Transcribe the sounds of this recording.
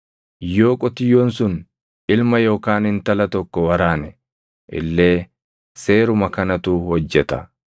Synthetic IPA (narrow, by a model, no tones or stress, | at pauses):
jo̞ːkʼɔt̪ɪjoːnsʊn | ʔɪlmɐjo̞ːkaːnɪnt̪ɐlɐt̪ɔkːɔwɐɾaːnɛ | ʔɪ̰lːe̞ː | se̞ːɾʊmɐkɐnɐt̪uːhɔd͡ʒːɛt̪ɐ